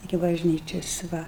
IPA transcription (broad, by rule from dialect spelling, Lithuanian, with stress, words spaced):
ɪkʲɪ bɐʒʲˈnʲiːt͡ʃʲɛs ˈʋɐ